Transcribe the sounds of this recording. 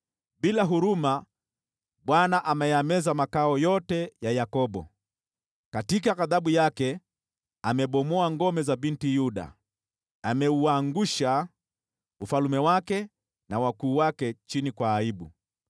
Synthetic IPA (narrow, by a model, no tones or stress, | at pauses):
ɓilaɦuɾuma | ɓwanaʔamɛjamɛzamakaɔjɔtɛjajakɔɓɔ̰ | katikaɣaðaɓujakɛ | amɛɓɔmɔaŋɡɔmɛzabintijuɗa̰ | amɛuaŋɡuʃa | ufalumɛwakɛ | nawakuːwakɛt͡ʃinikwaːiɓṵ